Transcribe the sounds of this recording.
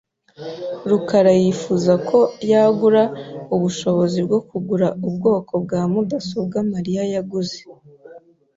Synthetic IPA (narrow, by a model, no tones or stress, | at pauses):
ɾukaɾajifuzakʰo̞jaɡuɾauβuʃo̞βo̞zibɡo̞kuɡuɾaubɡo̞ːkʰo̞bɡaːmudasobɡamaɾijajaɡuze